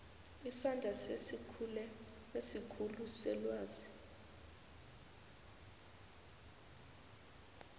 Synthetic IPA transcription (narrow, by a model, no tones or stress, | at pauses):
isandʱaselɛ | esikʰulusɛlwaːzi